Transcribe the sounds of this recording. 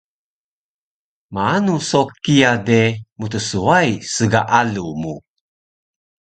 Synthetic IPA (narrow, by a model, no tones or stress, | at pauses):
maanusokijademut̪əsuajsəɡaʔalumu